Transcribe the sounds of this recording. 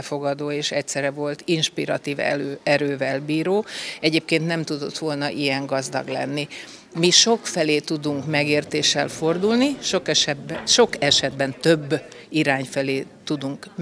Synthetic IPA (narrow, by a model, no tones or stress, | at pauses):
fo̞ɡɒd̪oːeːʃɛct̪sɛɾɛvo̞lt̪inʃpiɾɒt̪iːvɛ̰øɛɾøːvɛlbiːɾoːɛɟeːp̚keːnt̪nɛmt̪ud̪o̞̰t̪ʋo̞lnɒʔijɛŋɡɒzd̪ɒ̰ɡlɛ̰nːi | miʃo̞kfɛleːt̪ud̪uŋkmɛɡeːrt̪eːʃːɛlfo̞rd̪ulniʃokɛʃɛʃo̞kɛʃɛd̪bɛnt̪ø̞bːiɾaːɲfɛleːt̪ud̪uŋk